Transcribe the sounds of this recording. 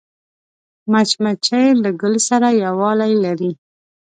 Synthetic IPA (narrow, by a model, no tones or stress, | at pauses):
mat͡ʃmat͡ʃajləɡəlsaɾajawɑlajlaɾi